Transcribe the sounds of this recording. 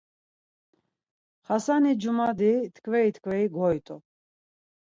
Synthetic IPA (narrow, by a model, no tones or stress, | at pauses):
χasanid͡ʒumad̪it̪ʰkʰvɛit̪ʰkʰvɛiɡɔjt̪ʼu